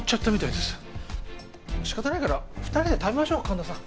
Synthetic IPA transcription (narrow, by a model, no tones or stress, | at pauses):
t͡ɕot̪ːomʲit̪aid̪esɨ̥ | ɕi̥kat̪anaikaɾaɸɯ̥t̪aɾʲid̪e̞t̪aβʲemaɕo̞ːkʰãnd̪osã